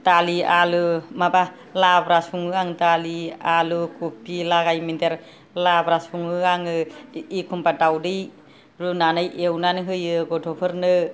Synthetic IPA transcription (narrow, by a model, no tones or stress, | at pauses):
talialɯmaba | labɾasuŋɯaŋtalialɯkʰupːilaɡajmindeɾ | labɾasuŋɯaŋɯikʰumbadawdɯj | ɾunanɯjʔewnanɯɦɯjɯɡɔtʰɔpʰɯɾnɯ